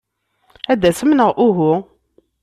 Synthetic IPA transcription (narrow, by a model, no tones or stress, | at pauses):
æd̪æsəmnəʁʔʊɦʊ